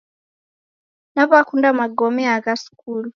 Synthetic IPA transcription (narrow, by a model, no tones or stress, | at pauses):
naβakundamaɡɔmɛaɣasi̥kulu